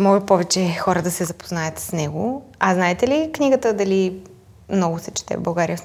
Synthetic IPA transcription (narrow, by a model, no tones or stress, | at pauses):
mɔʒɛpɔvɛt͡ʃɛxɔɾəd̪ɐsɛzɐpo̥znajət̪snɛɡʊɐznaɛt̪ɛliknʲiɡət̪əd̪ɐli | mnɔɡʊsɛt͡ʃɛ̥t̪ɛ̰vbɐlˠɡaɾijəf